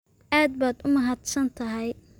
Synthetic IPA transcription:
ʔaːd̪̚baːd̪ʊmɐɦad̪sɐnt̪ʰɐɦɛj

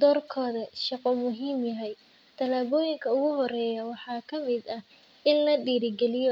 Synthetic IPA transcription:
d̪ɔːrkʰɔːðɐʃɑqɔmʊɦiːmjɐɦɛj | t̪ʰɐlaːβɔːjɪŋkʰɐʊɣʊɦɔɾɛːjɐwɑħɑːkʰɐmɪd̪ɐ | ʔɪnlɐɖiːɾɪɡɛlɪjɔ

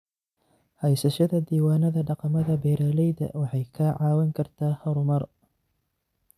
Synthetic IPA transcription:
hɛjsɐʃɐðɐd̪iːwaːnɐðɐɖɑqɑmɐðɐbɛːɾɐːlɛjðɐ̰wɑħɑjkʰaːʕɑːwɛŋkʰɐrt̪ʰaːhɐɾʊmɐr

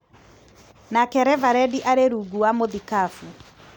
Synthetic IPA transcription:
nakɛɾɛvaɾɛdiʔaɾeɾuɡuwamoðikafu

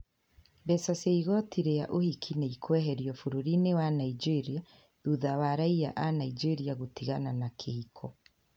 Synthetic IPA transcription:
bɛsaseiɣɔtiɾejaʔohikʰineikʰwɛɦɛɾjɔfuɾuɾinewanaid͡ʒeɾia | ðuðawaɾaija̰ʔanaid͡ʒeɾiaɣotiɣananakʰehikʰɔ

